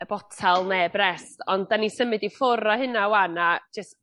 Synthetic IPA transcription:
əb̥ɔtʰɛlˠnebrɛstʰɔndanisəmɨdifʊɾɔhɨnawanḁd͡ʒəst

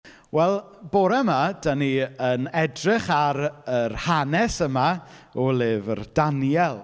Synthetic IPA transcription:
wɛlˠboɾɛmad̥əniənɛdrɪχaɾərhanɛsəmaɔlɪːvə̰rdanjɛlˠ

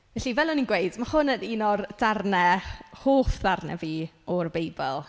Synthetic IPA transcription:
vɛɬivɛlˠɔninɡwejdmahʊnəninɔrd̥arnɛhoːfdarnɛ̰viːɔrbejbɛlˠ

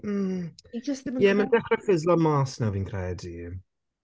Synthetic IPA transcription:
m̩id͡ʒəstɪjɛməndɛχrɛfɪzlˠɔmaːsnawviːnkʰrɛːdi

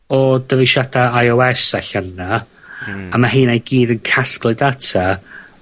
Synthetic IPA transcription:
ɔdəvɪʃadaajɔwɛsaɬənːaː | maɦiːnajɡiːdənkʰasklˠɨdatʰa

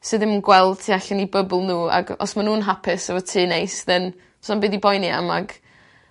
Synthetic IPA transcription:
sɨːðɪmɡwɛlˠd̥tʰiːaɬanibəblˠnuːa̰ɡɔ̰smanuːnɦapʰɪsəvɔtʰiːnejsðɨn | sɔnbiːdibɔjnia̰ma̰ɡ

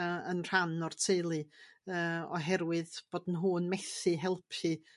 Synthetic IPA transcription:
ə̰nr̥anɔrtʰejlˠɨəːɔ̰ɦɛɾwɨðb̥oːd̥nɦuːnmɛθɨɦɛlˠpʰi

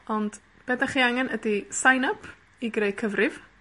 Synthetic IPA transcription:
ɔnd | b̥ɛdaχiɛŋənʔədisajnəpʰ | iɡrejkʰəvriɪv̥

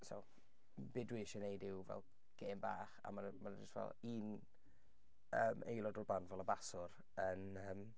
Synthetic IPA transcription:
sɔ̰w | bɪdwɪʃɛnejdɪwvɛ̰lˠ | ɡ̥eːmba̰ːχa̰manmanɪstvɛ̰lˠiːn | əːmʔḛjlˠɔdɔrbanvɛlˠəbasʊr | ən | əːm

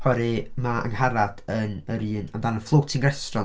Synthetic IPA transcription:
hɔɾimaə̰ŋhaɾad̥ənəɾiːnədanənflˠowtʰɪŋɡrɛstrɔ

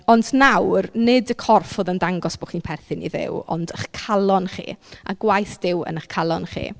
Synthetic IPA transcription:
ɔndnawrnɪdəkʰɔrfoðəndaŋɡɔsb̥oχiːnpʰɛrθɨnḭðɪ̰wɔ̰ndəχkʰalˠɔnχḭːa̰ɡwajθd̥ɪwə̰nəχkʰalˠɔnχḭː

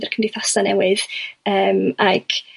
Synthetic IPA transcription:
dərkʰəmdɪθɔsanɛwɨðəːmaɡ̥

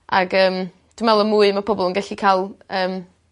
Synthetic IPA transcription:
aɡəːm | d̥əmɛlˠɔmuːɨmapʰɔbɔlˠənɡɛɬikʰalˠəːm

